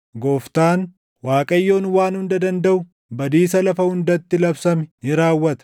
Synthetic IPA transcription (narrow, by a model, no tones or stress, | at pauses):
ɡoːft̪aːn | waːkʼɐjːo̞ːnwaːnhʊnd̪ɐd̪ɐnd̪ɐʔʊ | bɐd̪iːsɐlɐfɐhʊnd̪ɐt̪ːɪlɐbsɐmɛnɪɾaːwːɐt̪ɐ̥